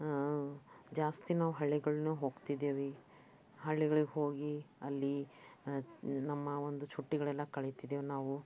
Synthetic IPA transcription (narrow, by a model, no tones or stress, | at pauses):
d͡ʒaːst̪inaːʋuɦɐɭːiɡɐɭnuːɦo̞ːɡt̪id̪eːʋi | ɦɐɭːiɡɐɭiɡeɦo̞ːɡiɐlːi | nɐmːɐond̪ut͡ʃʰuʈːiɡɐɭɛlːɐkɐɭejt̪id̪eːʋnaːʋu